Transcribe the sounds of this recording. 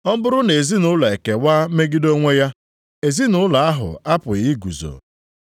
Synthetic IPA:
ɔ˦m̩˦bʊ˦ɾʊ˦ne˨zi˦nʊ˦la˨e˨ke˨waː˦me˦ɡi˦do˦ŋʷe˦ja˦ | e˨zi˦nʊ˨˦la˨a˦ɦʊ̰˨a˦pʊ˨i˦ɡṵ˨zo̰˨

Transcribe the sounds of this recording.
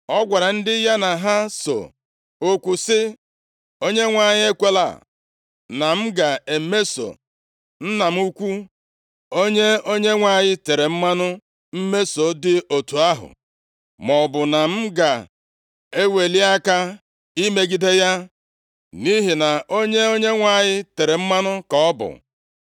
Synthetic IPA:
ɔ˦ɡʷa˨ɾa˨n̩˦dɪ˦ja˦na˨ɦa˦so̰˨ | o˦kʷu˨sɪ˦ | o˦ɲe˦ŋʷa˨ɲɪ˦e˦kʷe˦la̰˨ | na˨m̩˦ɡa˨e˨˦me˦so̰˨ | n̩˦na˨m̩˦u˦kʷu˦ | o˦ɲe˦o˦ɲe˦ŋʷa˨ɲɪ˦te˨ɾe˨m̩˦ma˦nʊ˦ | m̩˦me˦so˨dɪ˦o˨tu˨a˦ɦʊ̰˨ | mɔ˨bʊ˨na˨m̩˦ɡa˨ | e˦we˨li˦a˦ka˦ | i˦me˦ɡi˦de˦ja˦ | ni˦ɦi˨na˨o˦ɲe˦o˦ɲe˦ŋʷa˨ɲɪ˦te˨ɾe˨m̩˦ma˦nʊ˦kɔ˨˦ɔ˦bʊ̰˨

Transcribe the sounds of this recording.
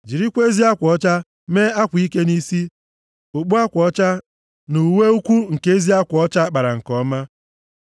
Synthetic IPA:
d͡ʒi˨ɾi˦kʷe˦zi˦a˦kʷɔ˦t͡ʃa˦ | me˦a˦kʷi˦ke˦ni˦si˦ | o˨ɡ͡bu˦a˦kʷɔ˦t͡ʃa˦ | nu˨we˦u˦kʷu˦ŋ̩˨ke˦zi˦a˦kʷɔ˦t͡ʃa˦k͡pa˨ɾa˨ŋ̩˨kɔ˦ma˦

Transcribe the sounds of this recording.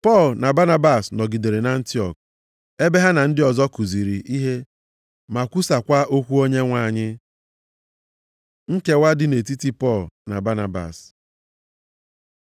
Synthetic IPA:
pɔ˦˨lna˨ba˦na˦ba˨snɔ˨ɡi˨de˨ɾe˨na˦n̩˦tɪ˦ɔ˨k̚ | e˦be˦ɦa˦na˨n̩˦dɪ˦ɔ˨zɔ˦ku˨zi˨ɾi˨ʔi˦ɦe˦ | ma˨kʷu˦sa˨kʷa˦ʔo˦kʷu˦o˦ɲe˦ŋʷa˨ɲɪ˦ | ŋ̩˦ke˦wa˦dɪ˦ne˨ti˦ti˦pɔ˦˨lna̰˨ba˦na˨ba̰˨s

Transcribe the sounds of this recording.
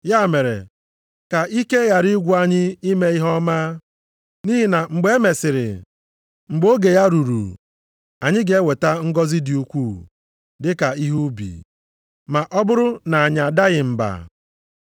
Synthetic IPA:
ja˦˨me˨ɾḛ˨ | ka˨ʔi˦ke˦ɣa˨ɾi˦ɡʷu˦a˦ɲɪ˦i˦me˦i˦ɦɔ˦ma˦ | ni˦ɦi˦na˨ŋ͡m̩˨ɡ͡be˦e˦me˨sɪ˨ɾɪ̰˨ | ŋ͡m̩˨ɡ͡bo˦ɡe˨ja˦ɾu˨ɾṵ˨ | a˨ɲɪ˦ɡe˨˦e˦we˨ta˦ŋ̩˦ɡɔ˦zɪ˦di˨u˦kʷu˦˨ | dɪ˦ka˨i˦ɦu˦bḭ˨ | ma˨ʔɔ˦bʊ˦ɾʊ˦na˨a˨ɲa˨da˦ɣɪ˨m̩˨ba̰˨

